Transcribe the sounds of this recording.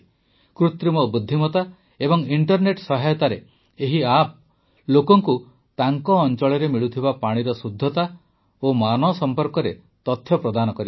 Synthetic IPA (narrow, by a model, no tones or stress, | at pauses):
kɾut̪ɾimɔbud̪ʱːimɔt̪a | ebɔŋiɳʈɔɾneʈsɔɦajɔt̪aɾe | eɦiap̚ | lokɔŋku | t̪aŋkɔːnt͡ʃɔɭɔɾemiɭut̪ʰibapaɽ̃iɾɔsud̪ʱːɔt̪a | omanɔsɔmpɔɾkɔɾe | t̪ɔt̪ʰːjɔpɾɔd̪anɔkɔɾib